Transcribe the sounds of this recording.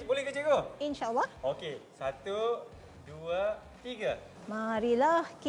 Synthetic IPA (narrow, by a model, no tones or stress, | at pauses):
bolɛhɡəd͡ʒəɡoʔinʃalːɑhokesat̪u | dua | t̪iɡa | maɾilahki